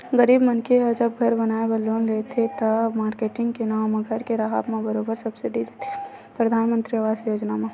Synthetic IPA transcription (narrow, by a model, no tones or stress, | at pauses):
ɡəɾiːbmənkʰeəd͡ʒəb̚ɡʱɐɾbɐnaːebəloːnlet̪ʰet̪ɐmaːɾkeːʈɪ̃ŋɡkenaːwmẽɡʱəɾkeɾaɦa̰bmẽbəɾoːbəɾsɐbsɪɖid̪et̪ʰe̥ | pɾɐd̪ʱaːnmə̃nt̪ɾiəʋaːsjoːd͡ʒnamẽ